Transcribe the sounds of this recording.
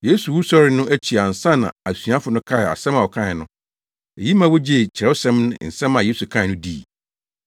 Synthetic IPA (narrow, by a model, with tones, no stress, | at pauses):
je˦su˨wu˦sɔ˦ɾɪ˦nʊ̃˦ʔæ˦t͡ɕʰi˨a˨n̩˨sã˦nã̰˨æ˨sɥa˦fʊ˨˦nʊ̃˦kʰa˦ɪ˨a̰˨sɛ̃˦mã˨wɔ˨kʰã˦ɪ˨nʊ̃˦ | e˨ji˦mã˦wo˦d͡ʑi˦e˨t͡ɕʰɪ˨ɾɛ˦ʊ˦sɛ̃˦mnʊ̃˦n̩˨sɛ̃˦mã˨je˦su˨kʰã˦ɪ˨nʊ̃˦diː˦˨